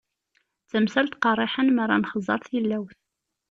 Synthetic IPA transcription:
t͡sːəmsælt̪qɑrˤːɪħənməɾˤːɑ̰nχəzˤːɑ̰ɾˤθilːæwθ

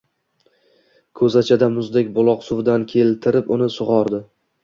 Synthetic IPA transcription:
kʰɵzat͡ʃʰad̪amʊzd̪ekʲbʊlˠɒqsʊvd̪ankʲʰe̞lt̪ʰɪɾɪpʊnɪsʊʁɒɾd̪ɪ

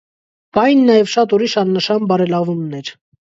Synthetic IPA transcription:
bɑjnːɑjɛvʃɑt̪uɾiʃɑnːəʃɑnbɑɾɛlɑvumnɛɾ

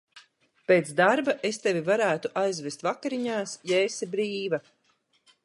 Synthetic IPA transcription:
peːt̪sd̪aɾbaʔest̪evʲivaɾæːt̪uʔajzvʲest̪vakaɾiɲaːsjɛːsɛbɾiːva

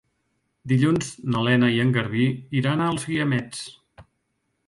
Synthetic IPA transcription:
d̪iʎunznəlɛnəiəŋɡəɾβiiɾanaːlˠzɣiəmɛt͡s

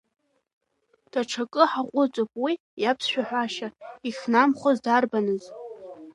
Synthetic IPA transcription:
d̥ʰaʈ͡ʂʰakʼɨħaqʷʼʊt͡sʼopʼwi | japʰsʃʷᶣaħᶣʷaʃaixʲnamχʷozdarbanɨz

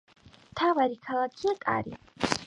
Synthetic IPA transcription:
tʰaʁaɾikʰalakʲʰiakʼa̰ɾḭ

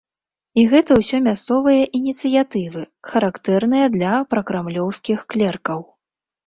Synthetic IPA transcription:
iɣɛt̪ɐwsʲɔmʲast̪sɔvɨjɐʔinʲit̪sɨjat̪ɨvɨ | xɐɾakt̪ɛrnɨjɐd̪lʲɐpɾɐkɾamlʲɔwskʲixklʲɛrkɐw

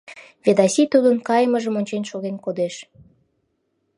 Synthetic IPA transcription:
vʲed̪ɑsit̪ud̪ənkɑjəməʒəmonʲt͡ɕenʃoɣenkod̪eʃ

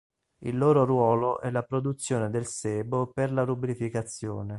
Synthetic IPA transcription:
ḭlːoːɾorwɔːloʔɛlapɾod̪ut̪sːjoːned̪elseːboperlaɾubɾifikat̪sːjoːne

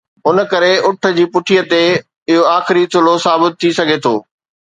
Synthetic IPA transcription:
ʊnə̆kɐɾeʊʈʰə̆d͡ʑiːpʊʈʰijət̪e | ɪɦoaːxɪɾit̪ʰʊlosaːbɪt̪̚ʰːisɐɡʱet̪ʰo̰ː

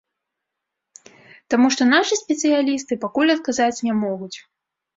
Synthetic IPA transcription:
t̪amuʂt̪ɔnaʂɨsʲpʲɛt̪sɨjalʲist̪ɨpakulʲɐt̪̚kazat͡sʲnʲamɔɣut͡sʲ

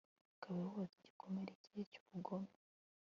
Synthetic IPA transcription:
akʰaβawose̥ɟikʰo̞meɾecijecu̥βuɡome

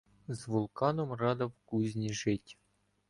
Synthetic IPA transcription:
zvulˠkɑnŏmrɑd̪ɤ̆pkuzʲnʲeʐetʲ

